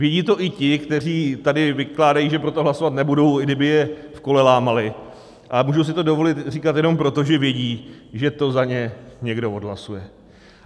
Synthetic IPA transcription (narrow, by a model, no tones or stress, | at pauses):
vjɛɟiːt̪o̞ʔɪcɪkt̪ɛr̝iːt̪adɪvɪklaːdajiːʒɛpɾo̞t̪oɦlasovat̪nɛbudo̞wɡdɪbɪjɛfko̞lɛlaːmalɪ | ʔamuːʒows̬ɪt̪o̞do̞vo̞lɪt̪r̝iːkat̪jɛno̞mpɾo̞t̪o̞ʒɛvjɛɟiːʒɛt̪o̞zaɲɛɲɛɡdo̞odɦlasujɛ